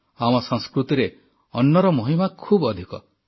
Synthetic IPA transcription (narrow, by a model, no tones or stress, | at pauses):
amɔsɔŋskɾut̪iɾe | ɔnːɔɾɔmoɦimakʰubɔd̪ʱikɔ̰